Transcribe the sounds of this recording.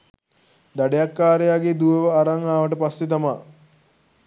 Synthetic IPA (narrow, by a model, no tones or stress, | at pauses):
d̪aɖejakːaːɾejaːɡed̪uʋəʋəaɾaŋaːʋəʈəpasːet̪̬amaː